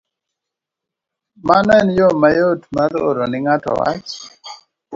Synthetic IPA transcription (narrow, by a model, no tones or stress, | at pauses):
manɛnjomajotmaɾo̰ɾonɪŋatɔ̰wa̰t͡ʃ